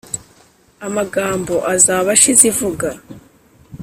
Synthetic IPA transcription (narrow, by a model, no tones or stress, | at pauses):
amaɡaːmbo̞ʔazaːβaʃizivuɡa